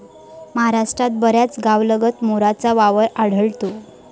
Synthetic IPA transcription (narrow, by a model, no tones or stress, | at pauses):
məɦaɾaʂʈɾat̪̚bəɾjat͡sɡaʋləɡət̪moɾat͡saʋaʋəɾaɽ̤əɭt̪o